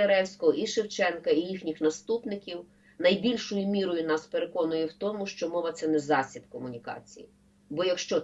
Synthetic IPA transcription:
eɾɛwsʲkɔɦɔʔiʃewt͡ʃɛnkɐijixnʲixnɐst̪upnɪkʲiw | nɐjbʲilʲʃʊjʊmʲiɾɔjʊnɑspeɾekɔnʊjɛwt̪ɔmʊʃt͡ʃɔmɔʋɐt̪sɛnɛzɑsʲibkɔmʊnʲikɑ̰t͡sʲḭji | bɔjɐkʃt͡ʃɔ

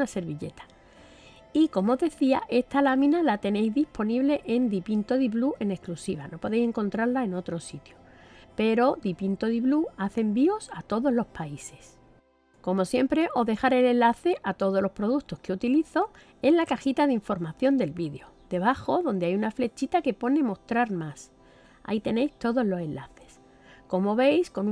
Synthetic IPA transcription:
nase̞ɾβiʎe̞̰t̪ḁ | iko̞mooðe̞θia̰ʔe̞st̪alamĩnalat̪e̞ne̞jzðihpo̞niβle̞ʔend̪ipint̪o̞ðiβluʔe̞ne̞sklusiβ̞a̰no̞po̞ðe̞jse̞ŋkõ̞nt̪ɾaɾlae̞no̞t̪ɾo̞sit̪jo | pe̞ɾo̞ðipint̪o̞ðiβluaθe̞mbio̞sat̪o̞ðo̞zlo̞spaise̞̥s | ko̞mo̞sje̞mpɾe̞ʔo̞ðe̞xaɾele̞nlaθe̞ʔat̪o̞ð̞o̞lo̞spɾo̞ð̞uk̚t̪o̞skeut̪iliθo̞ | e̞zlakaxit̪aðiɱfo̞ɾmaθjo̞nd̪e̞lβiðeo̞d̪e̞βaxo̞ðo̞nd̪eajunafle̞t͡ʃit̪ake̞po̞ne̞mo̞st̪ɾaɾmas | a̰it̪e̞ne̞jst̪o̞ðo̞zlo̞se̞nllaθe̞̥s | ko̞mo̞βe̞jsko̞n

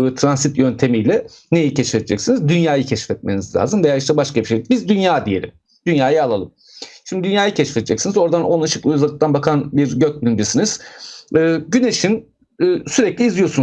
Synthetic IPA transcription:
t̪ʰɾansit̪jø̞nt̪ʰe̞mijlʲɛ | nejicʰɛʃfɛd̪ed͡ʒɛcsinizd̪ynjaːjɯcʰɛʃfɛt̪̚menizlʲa̰ːzɯmd̪ejaɾiʃt̪ʰɛbaʃkabiʃebizd̪ynjaːd̪ije̞̰lʲḭm | d̪̥ynjaːjɯalˠalˠɯm | ʃimd̪id̪ynjaːjɯcʰɛʃfɛd̪ed͡ʒɛcsinizo̞ɾd̪anonaʃɯklˠɯzaɯk̚t̪ʰanbakʰanbiɾɟøc̚bilʲimd͡ʒesiniz̥ɯːɟyne̞ʃinː | syɾɛclʲiːzlijo̞sun

